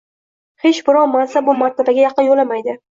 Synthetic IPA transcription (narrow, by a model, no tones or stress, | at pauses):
he̞t͡ʃbɪɾɒnmansabʊmaɾt̪ʰabaɡʲajɑqʰɨnjolamajd̪ɪ